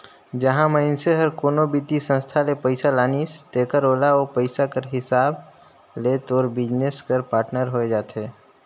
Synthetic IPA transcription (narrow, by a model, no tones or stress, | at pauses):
d͡ʒəɦãməɪnseɦəɾkoːnobit̪isə̃nst̪ʰalepəɪsalaːnist̪eːkəɾoːlaoːpəɪsakəɾɦɪsaːb | leːt̪ɔːɾbɪd͡ʒneskəɾpaːɾʈnəɾɦoed͡ʒaːt̪eː